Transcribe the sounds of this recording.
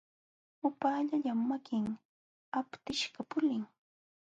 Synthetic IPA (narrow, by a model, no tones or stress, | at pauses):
ʊpaːʎaʎamːakɪŋ | apt̪ɪʃɢapʊlɪŋ